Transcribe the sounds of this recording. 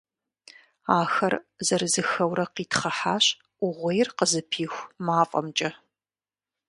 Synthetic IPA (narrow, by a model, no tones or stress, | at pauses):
aːxɐrzɐɾɨzɨxɐwɾɐqiːtχɐħaːɕ | ʊʁʷejrqəzɨpʰiːxʷmaːfʼɐ̰mt͡ʃʼɐ